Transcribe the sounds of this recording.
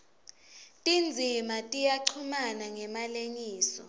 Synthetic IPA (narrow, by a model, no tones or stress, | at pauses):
tʼind͡zʱimatʼijaǀʰumanaŋɛmaleɲiːsɔ̰